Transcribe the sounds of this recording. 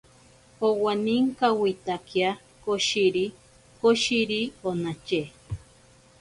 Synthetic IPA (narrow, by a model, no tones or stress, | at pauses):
owaniŋkawit̪akia | koʃiɾi | koʃiɾionat͡ʃe